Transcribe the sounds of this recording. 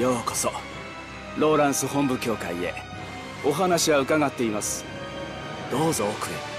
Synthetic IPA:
jo̞ːko̥so | ɾo̞ːɾãɰ̃sɨɦõ̞mbɯ̟kʲo̞ːkaie̞̰ | o̞ɦanaɕiβaɯ̟kaɡat̪ːe̞imasɨ̥ | d̪̥o̞ːzoːkɯ̟̰

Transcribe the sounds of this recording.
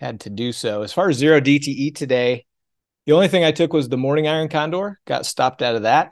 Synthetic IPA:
hɨ̰d̚tʰɨdɨsoʊɨz̥fɑɹɨzzɪɹoʊditʰiʔitʰɨdeɪ | ðiõʊ̃nliθɪ̃ŋaɪtʰʊkwʌzðəmɔɹnɪ̃ŋaɪə̃˞nkʰɑ̃ndɔɹɡ̥ɑ̰tstɑp̚taʊɾʌvðæt̚

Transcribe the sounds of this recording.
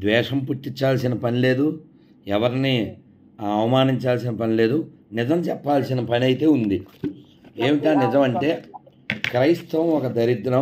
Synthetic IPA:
d̪ʋɛːʂɐmpuʈːiɲt͡ʃːaːlsinɐpɐnile̞ːd̪u | ɛʋɐɾini | ɐɐʋɐmaːniɲt͡ʃaːls̬inɐpɐnile̞ːd̪u | nid͡ʒɐmt͡ʃɛpːaːlsinɐpɐniɐjt̪e̞ːund̪i | eːʋiʈaːnid͡ʒɐmɐɳʈe̞ː | kɾɐjst̪ɐmɔkɐd̪ɐɾid̪nɐ

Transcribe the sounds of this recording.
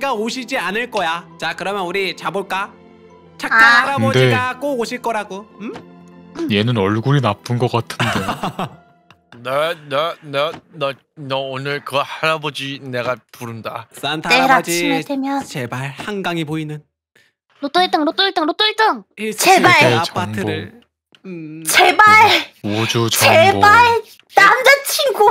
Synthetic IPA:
ɡaoɕʰid͡ʑianɯɭk͈ʌjat͡ɕakɯɾʌmjʌnuɾit͡ɕaboɭk͈a | t͡ɕʰak͈ahaɾabʌdeiɡak͈ooɕʰiɭk͈ʌɾaɡoɯ | je̞nɯnʌɭɡuɾinap͈ɯnɡʌk͈atʰɯnde | nenenenʌ | nʌonɯɭkɯhaɾabʌd͡ʑine̞ɡapuɾɯndaantʰeɾaimodwemjʌnt͡ɕebaɭhaŋɡaŋiboinɯn | not͈oit͈ɯŋnot͈oit͈ɯŋɾot͈oit͈ɯŋt͡ɕebaeaŋʰɯoɾɯ | t͡ɕebaɭod͡ʑut͡ɕebaɭ | namd͡ʑat͡ɕʰinɡo

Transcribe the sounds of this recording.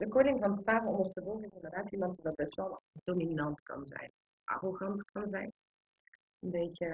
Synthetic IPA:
dəkowdɪŋvɑnstaːvənɔmərtəvɔlˠɣənɪndərdaːtimɑntdɑt̚bɛstʋɛlˠdominɑntkɑ̰nzɛ̰jn | ʔa̰roɣɑntkɑnzɛjn | ənbejcə

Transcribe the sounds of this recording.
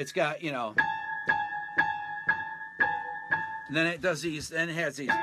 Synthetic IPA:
ɨtsɡ̥ɑt̚jɨnoʊ | ðɨ̃nɨt̚d̥ʌzðizðɨ̃n̚ɦɨzðiz

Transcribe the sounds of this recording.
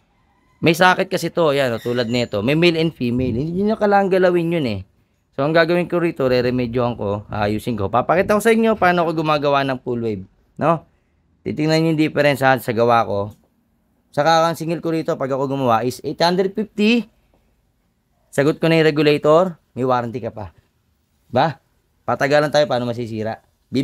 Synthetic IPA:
mɐjsaːkɪt̪̚kɐsɛt̪o̞janot̪uːlɐd̪nɛːt̪o̞mɐjmɛjlɛnd̪fiːmɛjlhɪnd̪iɲʊɲɐkɐlaːɐŋɡɐlɐwɪnjonɛ | soʔɐŋɡaːɡɐwɪŋkoɾiːt̪o̞ɾɛɾɛmɛd͡ʒjohɐŋko̞ʔa̰ʔɐjuːsɪnko̞papɐkiːt̪ɐko̞sɐʔɪɲjo̞paːnoɐkoɡʊmaːɡɐwanɐŋpulwɛjb̚ | no̞ | t̪ḭːt̪ɪŋnɐnjʊnd̪ɪfɛɾɛnsɐsɐɡɐwako̞ | sɐkakɐŋsɪŋɛlkoɾiːt̪o̞pɐɡɐko̞ɡʊmɐwaʔɪsʔɛjt̪hand̪ɾɛd̪̚fift̪i | sɐɡot̪̚konɐjɾɛɡʊlɛjt̪oɾ | mɪwaːɾɐnt̪ɪkɐpḁ | ɪba | pat̪ɐɡaːlɐnt̪aːjopaːnomɐs̬isiːɾɐʔ | b

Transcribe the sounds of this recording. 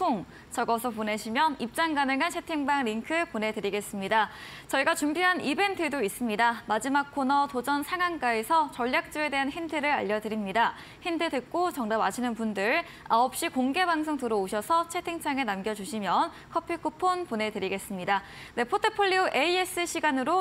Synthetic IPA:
oŋ | t͡ɕʌɡʌsʰʌpone̞ɕʰimjʌnip̚t͡ɕ͈aŋɡanɯŋant͡ɕʰe̞tʰiŋbaŋɾiŋkʰɯpone̞dɯɾiɡe̞s͈ɯmɲidat͡ɕʌiɡat͡ɕumbiɦanibe̞ntʰɯdois͈ɯmɲidamad͡ʑimak̚kʰonʌtod͡ʑʌnsʰaŋank͈aesʰʌt͡ɕʌʎːjak̚t͡ɕ͈ue̞de̞ɦançintʰɯɾɯɾa̰ʎːʌdɯɾimɲida | hintʰɯdɯk̚k͈ot͡ɕʌŋdamaɕʰinɯnpundɯɾ | aʌp̚ɕ͈ikoŋɡe̞baŋsʰoŋtɯɾʌoɕʰʌsʰʌt͡ɕʰe̞tʰiŋt͡ɕʰaŋe̞namɡjʌd͡ʑuɕʰimjʌn | kʰʌpʰikʰupʰonpone̞dɯɾiɡe̞s͈ɯmɲida | ne̞pʰotʰɯpʰoʎːiuʔe̞ies͈ɯɕʰiɡanɯɾo

